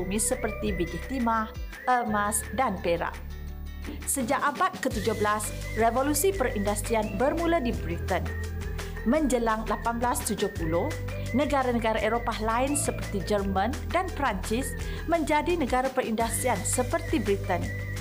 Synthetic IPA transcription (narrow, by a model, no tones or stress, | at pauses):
umisəpərt̪ibid͡ʒit̪imah | ʔəmasdanpeɾa̰ʔ | səd͡ʒaʔabat̪̚kət̪ud͡ʒʊhbəlas | revolusipərindast̪ɾianbərmuladibɾit̪ən | mə̃ɲd͡ʒəlaŋlapanblast̪ud͡ʒʊhpulʊh | nə̃ɡaɾanəɡaɾaʔeɾopahlaɪnsəpərt̪id͡ʒərmə̃n | danpɾaɲt͡ʃɪs | mə̃ɲd͡ʒadinəɡaɾapəɾindast̪ɾiansəpərt̪ibɾit̪ən